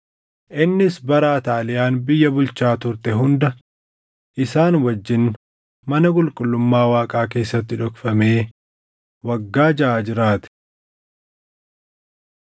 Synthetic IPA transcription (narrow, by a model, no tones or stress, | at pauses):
ʔɪnːɪsbɐɾaːt̪aːlɪjaːnbɪjːɐbʊlt͡ʃaːt̪ʊɾt̪ɛɦʊnd̪ɐ | ʔɪsaːnwɐd͡ʒːɪn | mɐnɐkʼʊlkʼʊlːʊmːaːwaːkʼaːk̬e̞ːsːɐt̪ːɪᶑɔkfɐme̞ː | wɐɡːaːd͡ʒɐʔaːd͡ʒɪɾaːt̪ɪ̥